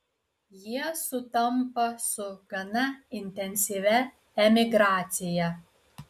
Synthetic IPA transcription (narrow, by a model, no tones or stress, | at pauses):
jiɛsʊt̪ɐmpɐsʊɡ̥ɐnɐɪnʲt̪ʲɛnʲsʲiʋʲɛ | ɛmʲɪɡɾɑːt̪sʲɪjɛ